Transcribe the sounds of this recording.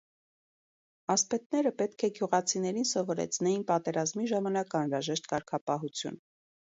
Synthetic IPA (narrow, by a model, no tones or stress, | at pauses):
ɑspɛt̪nɛɾəpɛt̪kʰɛɡjuʁɑt͡sʰinɛɾinsɔvɔɾɛ̰t͡sʰnɛjinpɑt̪ɛɾɑzmiʒɑmɑnɑkɑnɾɑʒɛʃt̪kɑɾkʰɑpɑɦut͡sʰjṵn